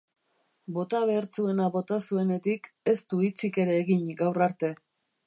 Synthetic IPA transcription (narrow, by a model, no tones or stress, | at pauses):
bo̞t̪aβe̞ɾt͡sue̞naβo̞t̪asue̞ne̞t̪ike̞st̪uit͡sike̞ɾe̞ːɣiɲɡawraɾt̪e̞